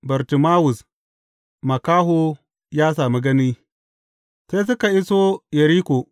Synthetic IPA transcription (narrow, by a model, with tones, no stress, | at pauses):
bɐ˨ɾtu˨ma˦wu˨s | ma˨ka˦ɦo˦ | jaː˦s̬aː˨mi˦ɡɐ˦ni˦ | se˦s̬u˦ka˨i˦so˦je˨ɾi˦ko˨